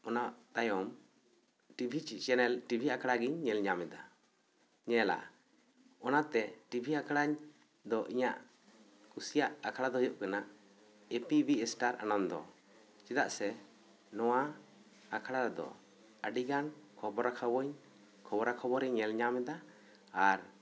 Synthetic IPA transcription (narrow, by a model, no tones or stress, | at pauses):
ɔnaʔt̪ajɔm | ʈibʱit͡ʃit͡ʃɛnɛlʈibʱiakʰɽaɡiɲːɛlɲamɛd̪a | ɲɛla̰ | ɔnat̪ɛʈibʱiakʰaɽaɲ | d̪ɔʔiɲa̰ʔ | kusijaʔakʰaɽad̪ɔɦɔjɔʔkanaʔ | epibiɛsʈaɾʔa̰nand̪ɔ̰ | t͡ʃid̪a̰ʔsɛ | nɔwa | akʰaɽaɾɛd̪ɔ̰ | əɖiɡankʰɔbɔɾakʰabɔɲ | kʰɔbɔɾakʰɔbɔɾɛɲːɛlɲamɛd̪aː | ɾ